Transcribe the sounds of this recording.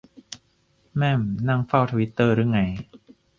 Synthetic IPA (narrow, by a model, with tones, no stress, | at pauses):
mɛ˥˩mna˥˩ŋfa˥˩wt̪ʰa˧wi˦˥t̪ːɤː˥˩ɾɯ˥˩ə˨ŋa˧˥j